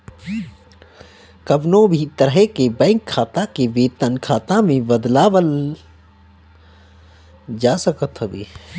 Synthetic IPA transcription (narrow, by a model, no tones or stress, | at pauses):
kɐbnõbʱit̪əɾɦekebɛ̃ːŋkʰːaːt̪ãkeʋeːt̪ənkʰaːt̪ãmẽbəd̪laːʋəl | d͡ʒaːsəkət̪ɦəbeː